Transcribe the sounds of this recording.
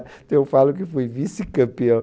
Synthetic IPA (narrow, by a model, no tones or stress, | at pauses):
t̪ɐ̃w̃ewfalʊkɪfojvisikɐ̃piɐ̃